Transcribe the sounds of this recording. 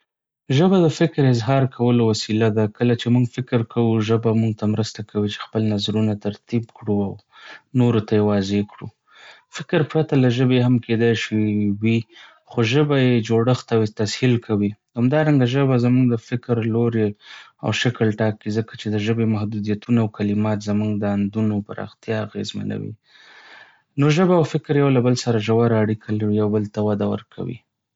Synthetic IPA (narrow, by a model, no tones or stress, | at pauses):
ʒəbad̪əfɪkɾɪzɦɑɾkʰawəlowasilad̪akəlat͡ʃemuŋɡfɪkɾkawuʒəbamuŋɡt̪amɾəst̪akʰawit͡ʃe̥xpəlnazɾunat̪aɾt̪ibkɽuaw | noɾot̪ajewɑzekɽṵ | fɪkɾpɾat̪alaʒəbeɦamked̪ajʃiwi | xoʒəbajed͡ʒoɽəxt̪awet̪ashilkʰawi | hamd̪ɑɾaŋɡaʒəbazamuŋɡd̪əfɪkɾloɾea̰wʃakəlʈɑkːizəkḁt͡ʃed̪əʒəbemahd̪ud̪ijat̪unaːwkalɪmɑt̪zamuŋɡd̪əand̪unopaɾʔɑ̰xt̪jɑaɣezma̰na̰wḭ | noʒəbaːwfɪkɾjawlabəlsaɾaʒawaɾaːɽikʰalaɾijawbəlt̪awad̪awə̰ɾkʰa̰wḭ